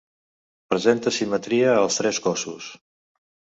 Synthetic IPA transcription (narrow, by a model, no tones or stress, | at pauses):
pɾəzent̪əsimət̪ɾiəːlˠst̪ɾɛskɔsus